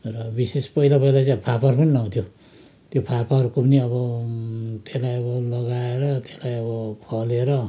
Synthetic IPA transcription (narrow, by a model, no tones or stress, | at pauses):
rʌbisespʌilapʌilat͡sapʰapʌrpʌnilʌw̃t̪ʰjo | t̪jopʰapaʌrukopʌniʌβʌ | t̪eslajʌβʌlʌɡaeɾʌt̪eslajʌbʌpʰʌleɾʌ